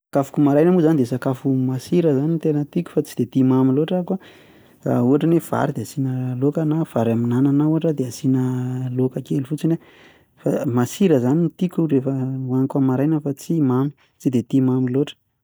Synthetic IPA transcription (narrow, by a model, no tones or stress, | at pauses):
akafu̥kumaɾajnəmuzanid̪esakafumasiɾəzanint̪enət̪ikʲu̥fat͡si̥d̪et̪imamiloʈ͡ʂaka | a̰uaʈ͡ʂənefa̰ɾid̪easinəlokənav̥aɾaminananauaʈ͡ʂəd̪easinəlokəkelufut͡sine | famasiɾəzanit̪ikʲurefəwankamaɾajnəfat͡simami̥ | t͡sid̪et̪imamiloʈ͡ʂə̥